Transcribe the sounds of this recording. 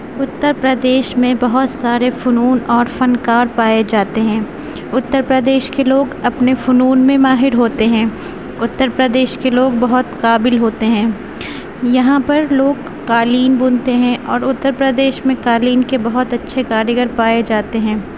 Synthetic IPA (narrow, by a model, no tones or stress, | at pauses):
ʊt̪ːəɾpɾəd̪eːʃmẽbɐɦʊt̪saːɾefʊnuːnɔːɾfɐnkaːɾpaːed͡ʒaːt̪eɦɛ̃ː | ʊt̪ːəɾpɾəd̪eːʃkeloːɡɐpnefʊnuːnmẽmaːɦɪɾɦoːt̪eɦɛ̃ː | ʊt̪ːəɾpɾəd̪eːʃkeloːɡbɐɦʊt̪kaːbɪlɦoːt̪eɦɛ̃ː | jɐɦãpɐɾloːɡ | kaːliːnbʊnt̪eɦɛ̃ʔɔːɾʊt̪ːəɾpɾəd̪eːʃmẽkaːliːnkebɐɦʊt̪ɐtːʃʰekaːɾjəɡəɾpaːed͡ʒaːt̪eɦɛ̃ː